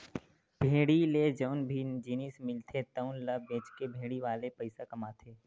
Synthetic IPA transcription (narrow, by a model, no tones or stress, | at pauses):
b̥ʱeːɽiled͡ʒəʊnbʱind͡ʒiːnismɪlt̪ʰet̪əʊnləbẽːt͡ʃkebʱeːɽiʋaːlepəɪsakɐmaːt̪ʰeː